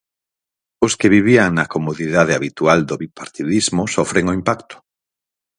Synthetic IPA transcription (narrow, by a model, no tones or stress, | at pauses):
ʊskɪβiβiaŋnɐkomoðiðað̞eaβit̪uald̪oβipaɾt̪iðizmʊsofɾeŋoimpakt̪ʊ̥